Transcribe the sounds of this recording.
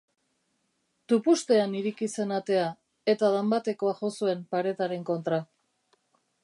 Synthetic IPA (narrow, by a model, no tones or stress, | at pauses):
t̪upust̪e̞aniɾikise̞nat̪e̞a | e̞t̪aðambat̪e̞ko̞aʝo̞sue̞mpaɾe̞t̪aɾe̞ŋko̞nt̪ɾa